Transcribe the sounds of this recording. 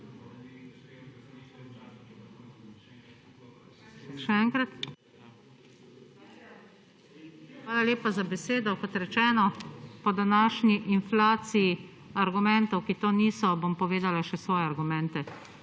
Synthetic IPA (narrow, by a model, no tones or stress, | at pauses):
ʃɛɛŋkɾat̪ | xʋaːlaleːpazabɛseːd̪ɔkɔt̪ɾɛt͡ʃɛːnɔpɔd̪anaːʃɲiʔinflaːsiji | aɾɡumɛnt̪ɔwkit̪oːniːsɔbompɔʋeːd̪alaʃɛsʋɔːjɛaɾɡumɛ̃nt̪ɛ